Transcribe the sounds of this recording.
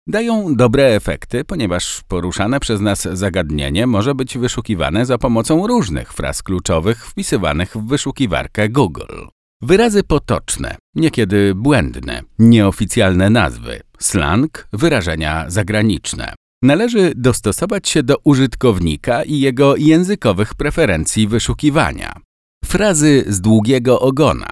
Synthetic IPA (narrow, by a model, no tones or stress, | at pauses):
d̪ajɔ̃w̃d̪ɔbɾɛːfɛ̰kt̪ɘpɔɲɛvaʂpɔɾuʂanɛpʂɛznazzaɡad̪ɲḛɲɛmɔʐɛbɘd͡ʑvɘʂukʲiva̰nɛzapɔmɔt̪sɔ̃w̃ɾuʐnɘ̰xfɾa̰sklut͡ʂɔvɘxfpʲisɘva̰nɘɣvːɘʂukʲiva̰ɾkɛɡuɡl | vɘɾazɘpɔt̪ɔ̰t͡ʂnɛ̰ɲɛkʲɛd̪ɘbwɛnd̪nɛ̰ɲɛɔfʲit̪sʲjalnɛna̰zvɘ̰ | sla̰ŋkvɘɾaʐɛɲa̰zaɡɾaɲit͡ʂnɛ̰ | nalɛʐɘd̪ɔst̪ɔsɔvat͡ɕɕɛd̪ɔʔuʐɘt̪kɔvɲikaʔijɛɡɔjɛ̃w̃zɘkɔvɘxpɾɛfɛɾɛnt̪sʲjivɘʂukʲiva̰ɲa̰ | fɾazɘzd̪wuɡʲɛɡɔʔɔɡɔna̰